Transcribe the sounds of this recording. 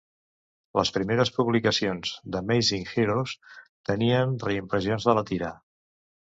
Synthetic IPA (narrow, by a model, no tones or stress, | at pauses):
ləspɾimeɾəspuβlikəsionz̥d̪əmejziŋxiɾost̪əniənrəimpɾəzionzðələt̪iɾa